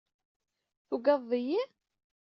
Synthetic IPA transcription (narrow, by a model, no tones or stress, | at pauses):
θuɡɑðˤːiji